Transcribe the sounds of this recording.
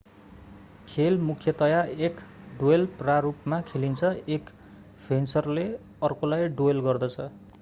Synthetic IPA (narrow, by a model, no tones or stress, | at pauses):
kʰelmukʰjʌt̪ʌjaek | ɖoelprarupmakʰelint͡sʰʌek | pʰensʌrle | ʌrkolajɖoelɡʌrd̪ʌt͡sʰʌ